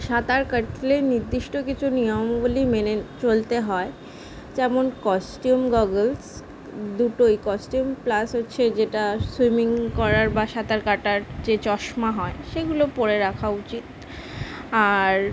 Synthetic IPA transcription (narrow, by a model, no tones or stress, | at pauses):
ʃat̪aɾkaʈʰleniɾd̪iʃʈokit͡ɕʰunijombulimenet͡ɕolt̪eɦɔe | d͡ʑɛmonkɔsʈiumɡɔɡels | d̪uʈojkɔsʈiumplasɦotːɕʰed͡ʑeʈaswimiŋkɔɾaɾbaʃat̪aɾkaʈaɾd͡ʑet͡ɕɔʃmaɦɔeʃeɡulopoɾeɾakʰaut͡ɕit̪̚ | aɾ